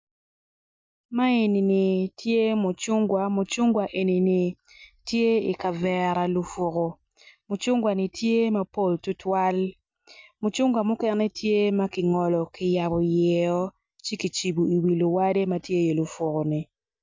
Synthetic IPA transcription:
ma˦e˨ni˨ni˨tje˦mʊ˨t͡ʃʊ˦ŋɡwa˨mʊ˨t͡ʃʊ˦ŋɡwa˨ʔe˨ni˨ni˨ | tje˦i˨ka˨vɛ˨ɾa˨lʊ˨fʊ˨ko˨ | mʊ˨t͡ʃʊ˦ŋɡwa˨nɪ˨tʰje˦ma˦po˦˨ltu˦twa˦l | mʊ˨t͡ʃʊ˦ŋɡwa˨mʊ˦kɛ˨nɛ˦tʰje˦ma˦kɪ˨ŋɔ˨lɔ˨kɪ˨ja˨bɔ˨jɛ˨ɔ˦ | t͡ʃe˦ki˨t͡ʃi˨bu˨i˨wi˨lʊ˨wa˦de˦ma˦tje˦je˨lʊ˨fʊ˨ko˨nɪ˨

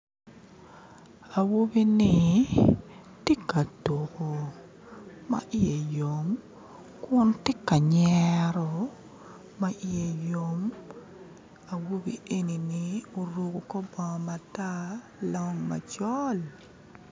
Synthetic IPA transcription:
a˨wo˦bi˦nɪ˨ | tɪ˦ka˨to˨ko˨ | ma̰˦ʔɪ˦je˨jo˨m | kʊ˦ntɪ˦ka˨ɲɛɾɔ˨ | ma˦ʔɪ˦je˦jo˦m | a˨wo˦bḭ˨ʔe˦ni˨nɪ˦o˨ɾo˦ɡo˨kɔ˦bɔ˨ma˨ta˦ | lɔ˦ŋma̰˨t͡ʃɔ˦l

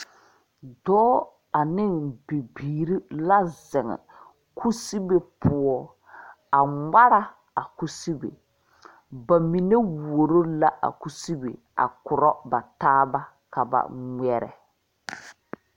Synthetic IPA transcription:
dɔː˦ | a˨nɪ˦˨nbi˨biː˨ɾi˦la˦zɪ˨ŋɛ̰˨ | kʰu˦si˦be˦pʊ˦ɔ˦ | a˨ŋŋ͡ma˦ɾa˦ | a˨ku˦si˦bḛ˨ | ba˨mi˨ne˦wu˨o˨ɾo˦la˦ʔa̰˨ku˦si˦bḛ˨ | a̰˨kʊ˨ɾɔ˦ba˨taː˦ba˦ | ka˨ba̰˨ŋʷɛ˦ɾɛ̰˨

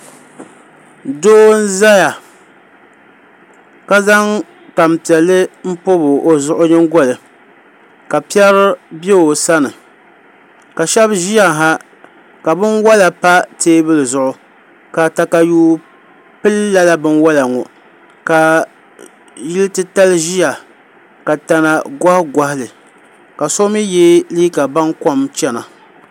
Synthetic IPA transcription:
doː˦n̩˦za˦ja˨ | ka˦za˦ŋ | ta˨mpi˨ɛ˨lːɨ˦m̩˦po˦bɨ˨ʔo˨zʊ˦˨ʔʊ˦ɲɨ˦ŋɡɔ˦lɨ˨ | ka˨pi˦ɛ˦ɾɨ˦be˦o˨sa˦nɨ˨ | ka˨ʃɛ˦bʒi˦ja˨ŋ˨ɦa˦ | ka˨bɨ˦nwa˦la˨pa˦teː˦bɨ˦lɨ˨zʊ˨ʔʊ˨ | ka˨ta˨ka˨juː˦ | pɨ˦lːa˦la˦bɨ˦nwa˦la˨ŋɔ˨ | ka˨ | jɪ˦ltɨ˦ta˦lɨ˦ʒi˦ja˨ | ka˨ta˨na˨ɡa˦hɡa˦hɪ˦lɨ˨ | ka˨so˦mi˦je˦liː˦ka˨ba˦nkɔ˦mt͡ʃɛ˦na˨

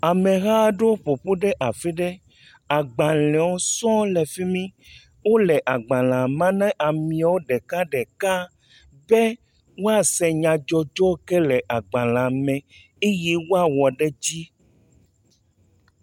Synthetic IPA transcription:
a˨mẽ˨ɣa˦ɖe˦wo˦ɸo˨ɸu˦ɖɛ˦ʔa˨fi˦ɖɛ˦ | a˨ɡ͡bã˨l̃ɛ̃˨wo˦sɔ̃˦lɛ˨fi˦mĩ˦ | wo˦lɛ˨ʔa˨ɡ͡bã˨l̃ã˨mã˦nɛ̃˦ʔa˨mĩ˨a˨wo˦ɖɛ˨ka˦ɖɛ˨ka˦ | be˦ | wo˦a˨sɛ˨ɲã˨d͡ʒɔ˦d͡ʒɔ˦kɛ˦lɛ˨ʔa˨ɡ͡bã˨l̃ã˨mɛ̃˨ | e˦je˦wo˦a˨wɔ˨ɖe˦d͡ʑi˦

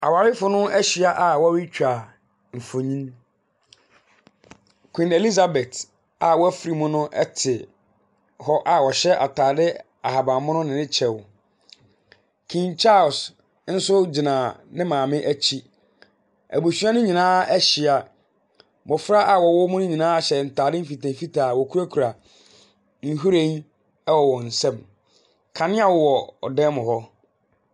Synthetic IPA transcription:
a̰˨wa˨ɾɪ˦fʊ˨˦nʊ̃˦ɛ˦ɕɪ˨a˦ʔa˨wɔ˦wɪ˦t͡ɕᶣa˨ | m̩˨fo˨ɲĩ˦n | kʰĩ˨ne˨li˦za˨bɛ˨t | a˨wɔ˦æ˦fɾi˨mʊ̃˦nʊ̃˦ʔɛ˦tʰɪ˨ | hɔ˦ʔa˨wɔ˨ɕɛ˦ʔa̰˨tʰaː˨dɪ˦ | a˨ɦa˨bã˨mʊ̃˦nʊ̃˦nɪ̃˨nɪ̃˦t͡ɕʰɛ˨w | kʰĩ˨nt͡ɕʰa˦˨s | n̩˦sʊ˦d͡ʑɪ˨nã˨nɪ̃˦mãː˨mɪ̃˦ʔæ˦t͡ɕʰi˦ | æ̰˨bu˨sɥa˦nʊ̃˦ɲĩ˨nãː˦ɛ˦ɕɪ˨a˨ | mɔ̃˨fɾa˦ʔa˨wɔ˨wɔ˦mʊ̃˦nʊ̃˦ɲĩ˨nãː˦a˦ɕɛ˨n̩˨tʰaː˨dɪ˦m̩˦fi˨tʰɛ̃˨fi˦tʰaː˨wɔ˨kʰu˦ɾa˦kʰu˨ɾa˨ | n̩˦ɦu˦ɾẽ˦n˦ | ɛ˦wɔ˨wɔ̃˨n̩˨sɛ̃˦˨m | kʰã˨nɪ̃˦a˨wʊ˦wɔ˨ɔ˨dɛ̃˦mʊ̃˨hɔ˦

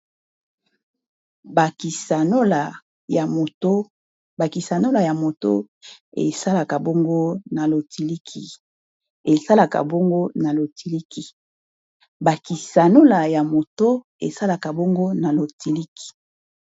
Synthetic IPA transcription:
ba˨ki˨sa˨no˦la˨ | t | ba˨ki˨sa˨no˦la˨ja˨mo˨to̰˦ | ḛ˨sa˦la˨ka˨bo˦ŋɡo˦na˨lo˨tʰi˨li˦kʰi˨ | e˨sa˦la˨ka̰˨bo˦ŋɡo˦na˨lo˨tʰi˨li˦ki˨ | ba˨ki˨sa˨no˦la˨ja˨mo˨to˦ | ḛ˨sa˦la˨ka˨bo˦ŋɡo˦na˨lo˨ti˨li˦kʰi̥˨

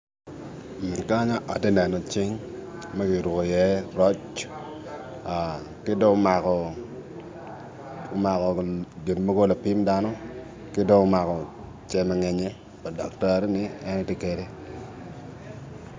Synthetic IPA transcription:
ka˦ɲa˦ʔa˨de˦nɛ˨nɔ˨t͡ʃɪ˦ŋma˦kɪ˨ɾwʊ˨kɔ˨jɛ˦ɾɔ˦t͡ʃ | a˨ | kɪ˦do˦ma˨kɔ˨ | ma˨kɔ˨d͡ʒe˨nmo˦ɡo˦la˨pi˦mda˦nɔ˦ | kɪ˦do˦ɔ˦ma˨kɔ˨ | t͡ʃɛ˦mɛ˨ŋɛ˨ɲɛ˦ | pa˨dɔ̰˨kta˦ɾnɪ˦ɛ˦nɔ˦te˦ke˨de˦

